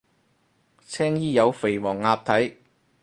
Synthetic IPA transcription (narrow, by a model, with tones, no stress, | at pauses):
t͡sʰɛː˥ŋjiː˥jɐ˨˧wfe˨˩jmɔː˨˩ŋːaː˧p̚t̪ʰɐ˨˥j